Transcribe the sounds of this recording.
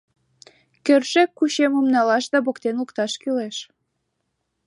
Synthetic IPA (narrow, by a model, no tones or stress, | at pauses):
kørʃekːuɕemomnɑlɑʃd̪ɑbokt̪enukt̪ɑʃkyleʃ